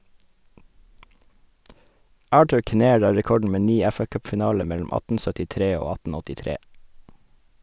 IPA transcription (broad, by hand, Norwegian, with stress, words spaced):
ˈɑːʈʉɾ kɪˈneːɹ ˈɑː ɹɛˈkɔɖɳ̩ ˈmeː ˈniː ˈɛfɑˌkœpfɪˌnɑːlə ˈmɛlʊm ˈɑtn̩ sœtɪˈtɾeː ˈoː ˈɑtn̩ ɔtɪˈtɾeː